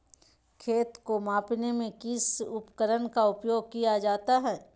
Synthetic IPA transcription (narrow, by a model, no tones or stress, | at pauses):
kʰeːt̪komaːpnemẽkɪsʊpkəɾənkaʊpjoːɡ̚kijad͡ʒaːt̪aɦɛː